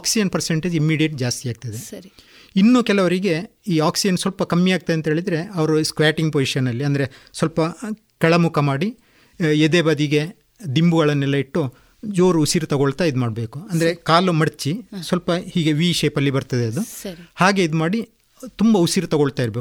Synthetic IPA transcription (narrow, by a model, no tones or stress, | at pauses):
aːksid͡ʒɐnpɐɾseɳʈeːd͡ʒimːiːɽijeʈ̚d͡ʒaːst̪ijaːɡ̚t̪ɐd̪e | inːuːkɛlɐʋɐɾiɡe̞ | iːaːksid͡ʒɐnsʋɐlpɐkɐmːiaːɡ̚t̪ɐd̪eɐnt̪ɦe̞ːɭid̪ɐɾe̞ɐʋɐɾuskɾaːʈiŋɡpoːʃɐnːɐlːiɐnd̪ɐɾe̞sʋɐlpɐ | kɐɭɐmukʰɐmaːɽi | ed̪eːbɐd̪iɡe̞ | d̪imbuɡɐɭɐnːɛlːɐiʈːu | d͡ʒoːɾuusiɾut̪ɐɡoɭt̪aid̪umaːɖbe̞ːkuɐnd̪ɐɾekaːlumɐɽt͡ʃːisʋɐlpɐhiːɡe̞ʋiːʃeːpɐlːibɐɾt̪ɐd̪eɐd̪uhaːɡe̞id̪umaːɽi | t̪umbɐusiɾut̪ɐɡoɭt̪aːiɾbeːk